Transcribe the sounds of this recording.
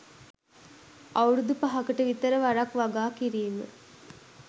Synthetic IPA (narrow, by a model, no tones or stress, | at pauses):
awɾud̪upaɦakəʈəʋit̪əɾəʋaɾakʋaɡaːkiɾiːmə̰